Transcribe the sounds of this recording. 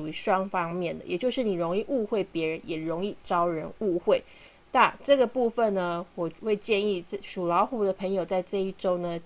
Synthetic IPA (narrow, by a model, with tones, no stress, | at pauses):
u˨˩i˧˥ʂwɑ˥ŋfɑ˥ŋmjɛ˥˩nd̪ə˩jɛ˨˩t͡ɕjo˥˧ʊʂɻ̩˥˩ni˨˩ɻʊ˧˥ŋi˥˧ʔu˥˧xwe˥˩ɪpjɛ˧˥ɻə˧˦njɛ˨˩ɻo˧˦˥ŋi˥˩ʈ͡ʂɑ˥ʊɻə˧˥nu˥˧xwe˥˩ɪ | na˥˨ʈ͡ʂɤ˥˩ɡə˩pu˥˧fə˨nnə˩wɔ˨˩we˥˧ɪt͡ɕjɛ˥˧ni˥˩˥ʂu˨˩lɑ˧˥ʊxu˧˥d̪ə˨pʰə˧˥ŋjo˨˩ʊt͡sa˥˧ɪʈ͡ʂɤ˥˧i˥˩ʈ͡ʂo˥ʊnə˨